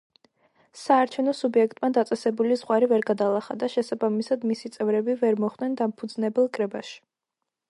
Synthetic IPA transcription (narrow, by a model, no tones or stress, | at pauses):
saːɾt͡ʃʰɛvnɔsubiɛkʰt̪ʼmad̪at̪sʼɛsɛbulizʁwaɾivɛɾɡad̪alˠaχa̰d̪aʃɛsabamisad̪misit̪sʼɛvɾɛbivɛɾmɔχd̪̥nɛnd̪ampʰud̪znɛbɛlˠkʼɾɛbaʃi̥